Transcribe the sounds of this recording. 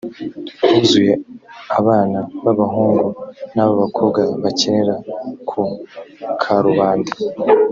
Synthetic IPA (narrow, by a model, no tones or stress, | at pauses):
uzuje̞aβaːnaβaβaɦuːŋɡunaβoβakʰobɡaβaceneɾakʰu | kʰaɾuβaːndi